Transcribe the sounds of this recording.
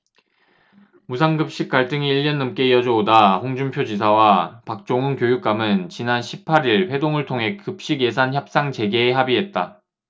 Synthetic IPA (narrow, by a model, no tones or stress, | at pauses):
musʰaŋɡɯp̚ɕ͈ik̚k͈aɭt͈ɯŋiːʎːʌnːɯmk͈e̞jʌd͡ʑʌodaɸoŋd͡ʑumpʰjod͡ʑisʰawapak̚t͡ɕ͈oŋɯnkjojuk̚k͈amɯnt͡ɕinanɕʰipʰaɾiɭɸwe̞doŋɯɭtʰoŋɦe̞kɯp̚ɕ͈iɡje̞sʰançjʌp̚s͈aŋt͡ɕe̞ɡeːɦabiɦe̞t̚t͈a